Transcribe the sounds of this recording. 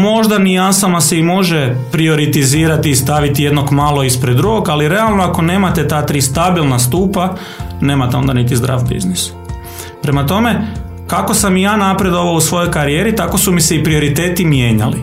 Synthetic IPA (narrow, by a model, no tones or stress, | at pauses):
mo̞ʒd̪anijansamaseimo̞ʒe | pɾio̞ɾit̪iziːɾat̪iːst̪aʋit̪ije̞d̪no̞kmaːlˠo̞ispɾed̪ːɾuɡo̞kaliɾe̞alˠno̞ako̞ne̞ːmat̪et̪aːt̪ɾiːst̪abilˠnast̪uːpa | ne̞ːmat̪eo̞nd̪anit̪izd̪ɾa̰ːfbḭznis | pɾe̞mat̪o̞me̞ | kako̞samijaːnapɾe̞d̪o̞ʋausʋo̞jo̞jkaɾije̞ːɾit̪ako̞sumiseipɾio̞ɾit̪e̞ːt̪imje̞ːɲa̰lḭ